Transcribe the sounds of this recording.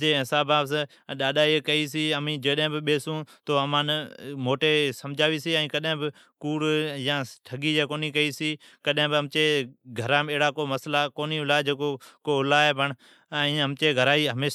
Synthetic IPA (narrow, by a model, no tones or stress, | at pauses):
d͡ʒeːɦɪsaːbaːs̬ | ɗaːɗaːiːkəiːsiːəmĩːd͡ʒəɗɦɪ̃ːbɪɓeːsũːt̪oːəmãːnmoːʈeːsəmd͡ʒʱaːʋiːsiːɛ̃ːkəɗɪ̃ːbɪ | kuːɽjãːʈʰəɡiːd͡ʒeːkoːniːkəiːsiː | kəɗɦɪ̃ːbɪəmt͡ʃeːɡʱəɾãːmeɦɽaːkoːməslaːkoːniːʊlaːd͡ʒeːkoːkoːʊlaːebʱəɳ | əĩːəmt͡ʃeːɡʱəɾaːiːɦəmeː